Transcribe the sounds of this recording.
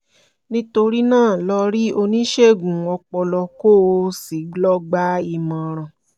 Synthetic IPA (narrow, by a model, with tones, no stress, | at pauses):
nĩ˦to˧ɾi˦nãː˦˨lɔ˧ɾi˦o˧nĩ˦ʃe˦˨ɡũ˨ɔ˧k͡pɔ˧lɔ˧ko˦o˧si˨˦ɡ͡blɔ˦ɡ͡ba˦i˧mã˨ɾ̃ã˨